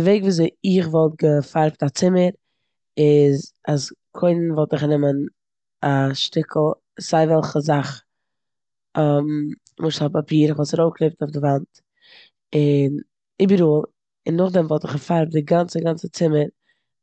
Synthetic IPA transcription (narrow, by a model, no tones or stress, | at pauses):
dəveɪɡviːzeɪɪχvɔlˠt̚ɡəfaɾptat͡sɪməɾ | ɪzaskʰoɪnnvɔlˠtɪχnɪmən | aʃtɪkʰl̩ˠ | z̥aɪvɛlˠχəzaχ | ɔm | mʊʃthɔpapiːɾɪχvɔlˠtsaɾoklˠep̚taʊfɡəvant | ɪn | ɪbəɾuːlˠ | ɪnːʊχdɛmvɔlˠtɪχɡəfaɾp̚dɪɡant͡səɡant͡sət͡sɪməɾ